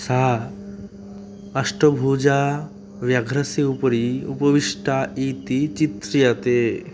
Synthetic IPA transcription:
sa | ɐʂʈəbʱud͡ʒa | ʋjaɡʱɾɐseupɾiṵpəʋiʂʈait̪it͡ʃit̪ɾijat̪e

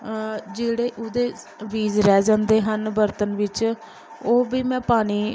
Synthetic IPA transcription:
d͡ʒeːɽeːʔʊd̪eː | ʋiːzɾɛːd͡ʒãːnd̪eːɦənbəɾt̪ənʋɪt͡ʃ | oːbiːmɛ̃ːpaːɽ̃iː

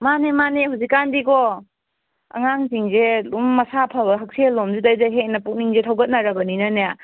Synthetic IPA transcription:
manemaneɦuzikːandikɔ | ɐ̰ŋaŋziŋzelumːɐsapʰabɐɦɐk̚selːomzidajzaɦek̚nɐpuk̚niŋzetʰɐwɡɐt̚naɾɐbɐninɐneja

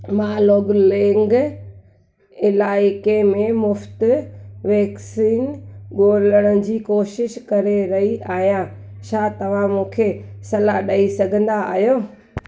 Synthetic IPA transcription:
maːloːɡlẽŋɡ | ɪlaːɪkemẽmʊft̪ʋɛːksiːnɠoːləɽ̃əd͡ʑiːkoːʃɪʃkɐɾeɾɐɦiaːɦijã | t͡ɕʰaːt̪ɐʋ̤ãmũːkʰesɐlaɗɐisɐɡʱə̃nd̪a̰ːɦijoː

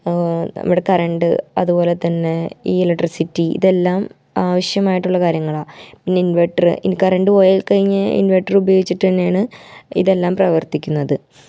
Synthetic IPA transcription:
ɐ̰muɽe̞kɐrɐɳɖɨɐ̰ðupo̞ːle̞t̪ɐnːe̞iːlɐʈːrisitːiḭðe̞lːaːm | aːʋɐʂjɐmaːjiʈːuɭːɐkaːɾjɐŋːɐɭaːpinːe̞inʋeʈːɐrɨinkɐrɐɳɖɨojɐlkɐɻiɲːɨḭnʋeʈːɐrubɐjoːɡit͡ɕːiʈ̪ːɐnːejaːɳɨḭðe̞lːaːmprɐʋɐrt̪ikʲːunːɐðɨ

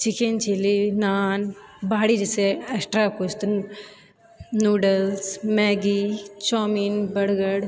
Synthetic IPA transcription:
t͡ʃikent͡ʃilinaːnbaːɽid͡ʒeseɐksʈɾaːkoːt͡ʃt̪ɨn | nuːɖəlsmɛːɡit͡ʃɔːminbɐɽɡəɽ

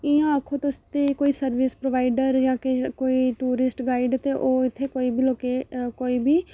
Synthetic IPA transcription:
ɪːãːəkʰoːt̪ːst̪eːkoːisəɾʋɪspɾoːʋaːɪɖəɾjãːkekoːiʈuːɾɪsʈɡaːɪɖt̪eʔoːɪt̪ʰːeːkoːiːbʱiloːkekoːiːbʱiː

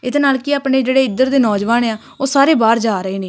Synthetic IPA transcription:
ɪd̪enaːlkiaːpneːd͡ʒeːɽeːɪd̪əɾd̪eːnɔːd͡ʒʋaːneaː | oːsaːɾeːbaːɾd͡ʒaːɾəeːneː

